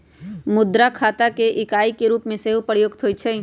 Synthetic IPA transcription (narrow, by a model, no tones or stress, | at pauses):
mʊd̪ɾakʰaːt̪akeʔɪkaːikeɾuːpmẽseɦupəɾjoːɡt̪ʰɦoːit͡ʃʰe